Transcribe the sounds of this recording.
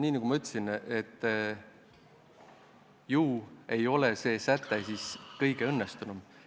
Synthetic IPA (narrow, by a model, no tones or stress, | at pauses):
nʲiːnɑɡ̥umɑyt̪ːˑsinet̪ː | juːe̞jo̞lese̞ːsæt̪ːesiskɤjɡ̥e̞ɤnːest̪unum